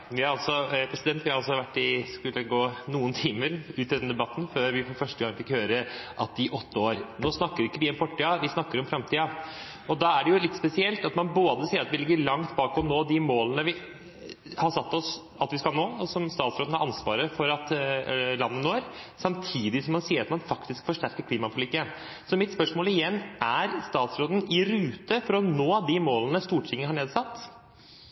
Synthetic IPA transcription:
ʋɪæɾɑlsɔpʰɾɛsɪd̪ɛnt̪ʋɪhɑɾɑlsɔɑʋæʈːɪskʉlːəɡoːnuːənt̪ʰiːməɾʉːt̪ɪd̪ɛnd̪ɛbɑt̪ːn̩føːɾʋɪfɔfœʂʈəɡɑŋfɪkhøːɾəʔɑt̪ɪʔɔt̪ːəoːɾnoːsnɑkːəɾɪkːəʋɪɛnfɔʈːiːɑʋɪsnɑkːəɾɔmfɾɑmt̪ʰiːɑ | ɔd̪ɑːæɖɛjʊlɪt̪ːspɛsɪɛlt̪ɑt̪mɑnboːd̪əsiːəɾɑt̪ʋɪlɪɡːəɭɑŋt̪bɑːkɔnoːd̪ɪmoːlənəʋɪ | hɑʂɑt̪ːɔs | ɑt̪ʋɪskɑlˠnoːɔsɔmst̪ɑːt̪sɾoːd̪n̩hɑɾɑnsʋɑ̰ːɾəfɔɾɑt̪lɑnːənoːɾsɑmt̪ʰiːd̪ɪsɔmːɑnsiːəɾɑt̪mɑnfɑkt̪ɪskfɔʂʈæɾkəkʰliːmɑpʰʊlɪkːəən | sɔmɪt̪spœʂmoːlɪjɛnːʔæɾst̪ɑːt̪sɾoːd̪ənɪɾʉːt̪əfɔɾɔnoːd̪ɪmoːlənəst̪uːʈʰɪŋːəhɑɳeːd̪sɑt̪ː

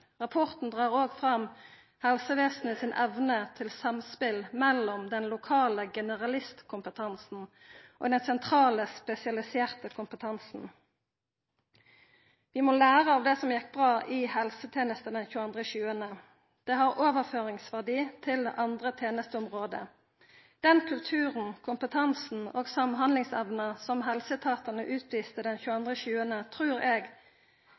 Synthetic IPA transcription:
ʁɑpʰɔʁt̪n̩d̪ʁɑːʁoːɡfʁɑm | hɛlsəʋeːsnəsɪnʔɛʋnət̪ʰɪlsɑmspɪlmɛlɔmd̪ɛnlʊkʰɑːləɡɛnəʁɑlɪst̪kʰʊmpət̪ʰɑnsn̩ʔo̰ːd̪ɛnsɛnt̪ʰʁɑːləspɛsɪɑlɪseːʁt̪əkʰʊmpət̪ʰɑnsn̩ | ʋɪmɔlæːʁəɑːʋd̪ɛːsɔmjɛk̚ːbʁɑːʔɪhɛlsət̪ʰeːnəst̪əd̪ɛnçʉːəɑnd̪ʁəçʉːənə | d̪̥ɛːɦɑʁoːʋəʁføːʁɪŋsʋæʁd̪iːt̪ʰɪlʔɑnd̪ʁət̪ʰeːnəst̪əʊmʁoːd̪ə̰ | d̪̥ɛnkʰʉlt̪ʰʉːʁən̩kʰʊmpət̪ʰɑnsn̩oːɡsɑmɦɑnlɪŋsɛʋnəsɔmɦɛlsət̪ʰɑːt̪ənəʔʉːt̪ʰʋiːst̪əd̪ɛnçʉːəɑnd̪ʁəçʉːənət̪ʰʁʉːʁeːɡ

